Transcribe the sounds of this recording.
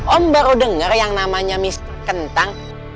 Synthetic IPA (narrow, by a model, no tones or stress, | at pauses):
ʔɔmbaɾodəŋərjaŋnamaɲamis | kənt̪aŋ